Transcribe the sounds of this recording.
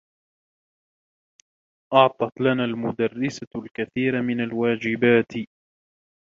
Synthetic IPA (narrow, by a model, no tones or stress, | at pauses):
ʔɑʕt̪ˤɑt̪lanaːlmʊd̪arːɪsalkaθiːɾamɪnalwaːd͡ʒɪbaːt̪